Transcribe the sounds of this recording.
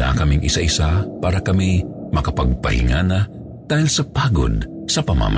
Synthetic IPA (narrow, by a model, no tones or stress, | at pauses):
a̰kɐmiŋʔɪsaʔɪsapaːɾɐkɐmimɐkɐpɐɡ̚pɐ̰hɪ̰ŋaːnɐ | d̪̥aːhilsɐpaːɡo̰d̪̚ | sɐpɐma̰m